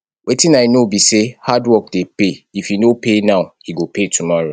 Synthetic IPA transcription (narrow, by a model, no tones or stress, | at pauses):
wʔetĩnaɪnobisehadwɔk̚depeifjinopenaʊhiɡopʰetʰumɔɹo